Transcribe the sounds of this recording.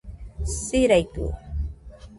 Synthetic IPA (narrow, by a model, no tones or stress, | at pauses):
siɾajt̪ṵ